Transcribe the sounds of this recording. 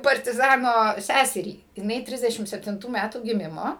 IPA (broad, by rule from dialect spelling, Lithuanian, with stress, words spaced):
pɐrʲtʲɪˈzɑːnoː ˈsʲæsʲɛrʲiː jɪˈnɐɪ ˈtʲrʲɪzʲdʲɛʃʲɪm sʲɛpʲtʲɪnˈtuː ˈmʲætuː ɡʲɪˈmʲɪmoː